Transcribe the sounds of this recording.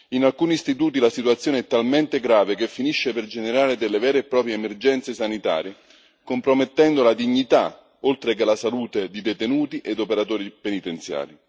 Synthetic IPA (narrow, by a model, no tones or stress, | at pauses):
inalkuːniːst̪it̪uːt̪ilasit̪uat̪sːjoːneɛt̪ːalment̪eɡɾaːvekefːiniʃːeperd͡ʒeneɾaːɾed̪elːevɛːɾeːpːɾɔːpɾjeːmerd͡ʒɛnt̪sesanit̪a̰ːɾje | kompɾomet̪ːɛnd̪olad̪iɲːit̪a | olt̪ɾekelasaluːt̪ed̪id̪et̪enuːt̪iʔed̪opeɾat̪oːɾipenit̪ent̪sja̰ːli